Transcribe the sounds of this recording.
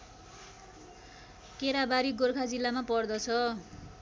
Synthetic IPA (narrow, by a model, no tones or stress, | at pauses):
keɾabaɾiɡorkʰad͡zilːamapʌrd̪ʌt͡sʰʌ